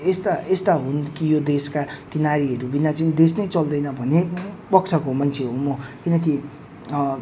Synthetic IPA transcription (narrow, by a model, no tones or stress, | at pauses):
est̪aest̪aɦunkijod̪eskakinaɾiɦʌɾubinat͡sʌĩd̪esnʌjt͡sʌld̪ʌjnʌbʱʌnepʌkt͡sʰʌkomant͡sʰeɦomʌkinʌki